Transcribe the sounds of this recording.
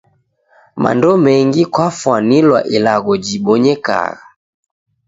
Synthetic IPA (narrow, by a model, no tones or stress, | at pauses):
ma̰ndɔmɛŋɡikwafwanilwa̰ʔilaɣɔd͡ʒiɓɔɲɛka̰ɣa